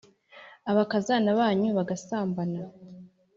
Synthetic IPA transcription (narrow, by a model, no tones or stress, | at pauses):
aβakazanaβaːɲuβaɡasaːmbana